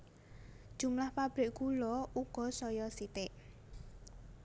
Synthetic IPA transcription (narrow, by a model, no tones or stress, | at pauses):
d̥ʒ̥ṳmlahpab̥ɾɪkkulɔuɡ̥ɔ̤sɔjɔsit̪ɪʔ